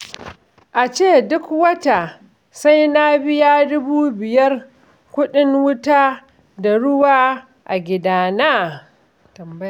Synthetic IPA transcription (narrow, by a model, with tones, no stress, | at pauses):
ʔa˨t͡ʃeː˦˨dʊ˦kwɐ˦ta˨ | sa˦jna˦bɪ˦jaː˦dʊ˦buː˦bɪ˨jɐ˦r | kʷʊ˦ɗɪ˦ŋwʊ˦ta˦ | da˨ɽʊ˦waː˦ | ʔa˨ɡʲɪ˦daː˦naː˦˨ | ɐ˨˦